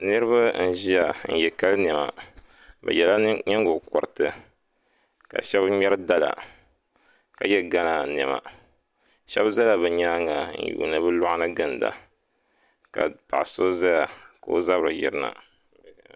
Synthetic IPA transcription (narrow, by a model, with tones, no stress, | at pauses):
nɨ˦ɾɨ˦βa˦n̩˦ʒi˦ja˨n̩˨jɛ˨ka˦lnɛ˨ma̰˨ | bɛ̰˨jɛ˨la˦ɲɛ˦ŋɡo˨kɔ˨ɾɨ˨tɨ˨ | ka̰˨ʃɛ˦bɲɛ˦ɾɨ˦da˦la̰˨ | ka˨jɛ˦ɡa˦na˨nɛ˨ma̰˨ | ʃɛ˦bza˦la˨bɛ˨ɲaː˦ŋa˨n̩˦˨jṵː˨nɨ˨bɨ˦lɔ˦ʔnɨ˦ɡɨ˨nda̰˨ | ka̰˨pa̰˨ʔso˦za˦ja˨ka˨o˦za˦βɾɨ˨jḭ˨ɾɨ˦na̰˨